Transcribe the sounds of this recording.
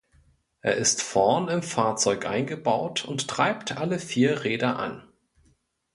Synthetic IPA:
ʔeːɐɪstfɔɐnɪmfaːɐt͡sɔʏkʔa̰ɪnɡəbaʊtʰʊnttʁ̥aɪptʰʔaləfiːɐʁeːdɐʔa̰n

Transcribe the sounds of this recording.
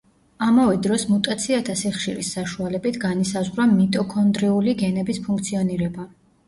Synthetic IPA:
amavɛd̪ɾɔsmut̪ʼat̪sʰiat̪ʰasiχʃiɾisːaʃualɛbit̪ʰɡanisazʁɾamit̪ʼɔkʰɔnd̪ɾiuliɡɛnɛbispʰuŋk̚t̪sʰiɔniɾɛba

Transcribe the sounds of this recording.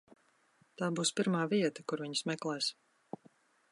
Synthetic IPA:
t̪aːbuːspiɾmaːviɛt̪akuɾviɲsmɛklˠɛːs

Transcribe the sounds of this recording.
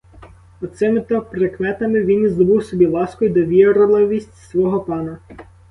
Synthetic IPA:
ɔt̪sɪmɪt̪ɔpɾekmɛt̪ɐmɪʋʲinizd̪ɔbɪwsɔbʲilˠɑskɔjd̪ɔʋʲiɾlˠɪʋʲisʲtʲsʋɔɦɔpɑnɐ

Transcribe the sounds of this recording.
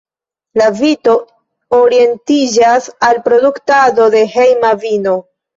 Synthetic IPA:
lavito̞ | oɾie̞ntid͡ʒasalpɾo̞duktado̞de̞he̞jmavino̞

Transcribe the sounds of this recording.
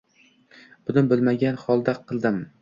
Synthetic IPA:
b̥ʊnɪnbɪlˠmaɡʲanχɒlˠd̪aqʰɨlˠd̪ɪm

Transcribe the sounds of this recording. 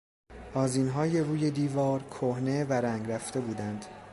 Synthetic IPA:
ʔɒːziːnɦɒːje̞ɾuːje̞d̪iːvɒːɾkʰohne̞væɾæŋɡɾæft̪e̞buːd̪ænd̪̥

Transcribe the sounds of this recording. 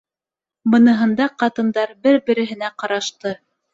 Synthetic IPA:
bɤ̆nɤ̆ɦɤ̆nd̪ɑqɑt̪ɤ̆nd̪ɑɾbɘɾbɘ̆ɾɘ̆ɦɘ̆næqɑɾɑʃt̪ɤ

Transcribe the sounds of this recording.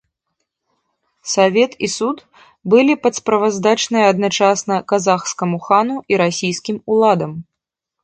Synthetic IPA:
savʲɛt̪isut̪ | bɨlʲipɐt̪spɾɐvazd̪at͡ʂnɨjɐɐd̪nat͡ʂasnɐkazaxskɐmuxanuʔiɾasʲijskʲimulˠad̪ɐm

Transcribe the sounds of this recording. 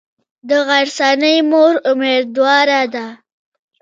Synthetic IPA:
d̪əɣaɾsɑnəjmoɾʊmeɾd̪wɑɾad̪a

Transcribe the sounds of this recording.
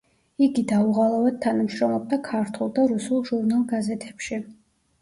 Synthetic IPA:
iɡid̪auʁalˠɔvɛd̪̚t̪ʰːanamʃɾɔmlˠɔb̚d̪akʰaɾt̪ʰulˠd̪aɾusulˠʒuɾnalˠɡazɛt̪ʰɛpʃi

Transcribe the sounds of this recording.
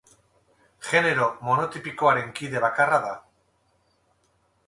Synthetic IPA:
xe̞ne̞ɾo̞mo̞not̪ipikoaɾe̞ŋkiðe̞β̞akaraða

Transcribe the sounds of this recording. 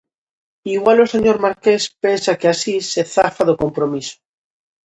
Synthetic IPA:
iɣwalose̞ɲoɾmaɾkespensakeasiseθafaðokompɾomiso̥

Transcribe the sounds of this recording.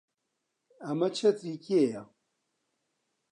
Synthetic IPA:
amat͡ʃat͡sikʲieja

